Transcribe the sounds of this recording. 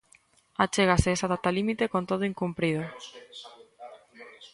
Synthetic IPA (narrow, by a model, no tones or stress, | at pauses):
at͡ʃeɣ̞aseesaðat̪alimit̪ekont̪oðʊiŋkumpɾiðo